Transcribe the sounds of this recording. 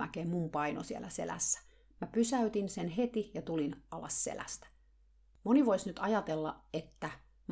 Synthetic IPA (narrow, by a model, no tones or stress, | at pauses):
æ̰keːmmumpɑino̰siḛlæsḛlæ̰sːæ̥ | mæpysæyt̪insenɦet̪ijɑt̪ulinʔɑlɑ̰ssḛlæ̰st̪æ̥ | moniʋoisnyt̪ɑjɑt̪elːɑ̰et̪ːæ | m